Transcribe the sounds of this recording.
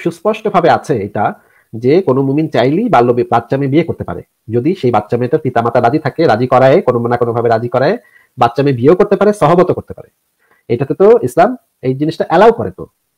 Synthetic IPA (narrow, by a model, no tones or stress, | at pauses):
ʃuspɔʃʈobʱabeat͡ɕʰeeʈa | d͡ʑekonomumint͡ɕajlibalːobat̪ːɕamebiekoɾt̪epa̰ɾḛ | d͡ʑod̪iʃejbat̪ːɕameʈaɾpit̪amat̪aɾad͡ʑit̪ʰakeɾad͡ʑikɔɾaekononakonobʱabeɾad͡ʑikɔɾae | batːʃamebieokoɾt̪epaɾeʃɔɦobot̪okoɾt̪e̥pa̰ɾe | eʈat̪et̪oislam | ejd͡ʑiniʃʈaʔɛlawkoɾḛt̪o̰